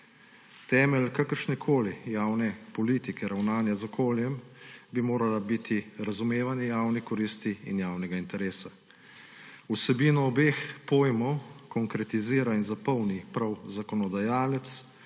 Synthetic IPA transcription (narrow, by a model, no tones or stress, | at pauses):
t̪ɛːmɛlkakəɾʃnɛkʰoːlijaːwnɛpɔliːt̪ikɛɾawnaːnjazɔkʰoːljɛmbimoːɾalabit̪ʰiɾazumeːʋanjɛjaːwnixkɔɾiːst̪iḭnjaːwnɛɡaint̪ɛɾeːsa | usɛbiːnɔːbeːxpoːjmɔwkɔŋkɾɛt̪iziːɾainzapɔwnipɾawzakɔnɔd̪ajaːlɛt̪s